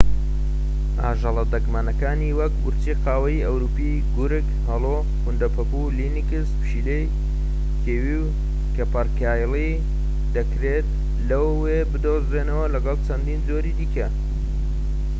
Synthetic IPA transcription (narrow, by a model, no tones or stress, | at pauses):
ʔa̰ːʒɑlˠɐd̪ɐkmaːnɐkaːniwɐk̚bʊɾt͡ʃiqaːwɐjɐwɾupi | ɡuɾɨkhɑlˠo | kund̪ɐpʰɐpulinikɨspʃilej | kʰeːwiw | kɐpɐɾkaːjli | d̪ɐkɾet̪̚ | lɐwːebɨd̪ozeːnɐwɐlɐɡɑlˠt͡ʃʰɐnd̪iːnd͡zoɾid̪iːkɐ